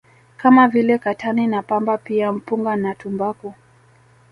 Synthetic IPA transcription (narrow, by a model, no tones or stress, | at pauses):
kamavilɛkatʰaninapambapiam̩puŋɡanatumbaku